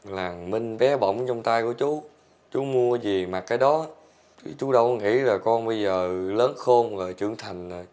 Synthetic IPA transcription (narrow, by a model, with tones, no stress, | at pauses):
laː˨˩ŋmi˧ŋ̟ɓɛ˨˦ɓə̰˧˨wŋ͡mt͡ɕɔ˧wŋ͡mt̪aː˧jku˧˩ət͡ɕu˨˦ | t͡ɕu˨˦mu˧əzi˨˩ma˨˩t̚kaː˨˦jɗɔ˨˦ | t̪ʰi˨˦t͡ɕu˨˦ɗə˧wŋḭ˧˥laː˨˩kɔ˧nɓə˧jzəː˨˩ləː˨˦nxo˧mɣəː˨˩jt͡ɕɨ̰˧˨əŋt̪ʰa˨˩jŋ̟ː˨˩